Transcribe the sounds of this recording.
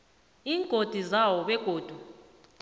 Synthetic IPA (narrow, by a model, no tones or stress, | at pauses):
iːŋɡʱod̥ʱuzawɔɓɛɡ̥ʱoːd̥ʱu